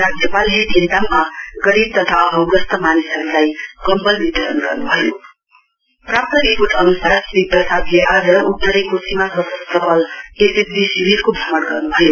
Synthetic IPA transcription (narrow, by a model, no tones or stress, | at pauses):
rad͡zjʌpalɦeʈ̪ind̪amːaɡʌɾib̚t̪ʌt̪ʰaʌɦʌwɡʌst̪ʌmanisʌɾulajkʌmpʌlbit̪ʌɾʌnɡʌrnubʱʌjo | prap̚t̪ʌɾipoʈʌnusarsibiprʌsad̪leʔad͡zʌukːʌɾekosimasʌsʌst̪ʌpʌlesesbisibiɾkobʱʌmʌɽɡʌrnubʱʌjo